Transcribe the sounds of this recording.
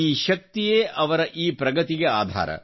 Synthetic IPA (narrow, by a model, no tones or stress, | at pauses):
iːʃɐk̚t̪ijeːʔɐʋɐɾɐʔiːpɾɐɡɐt̪iɡeaːd̪ʱa̰ːɾɐ̰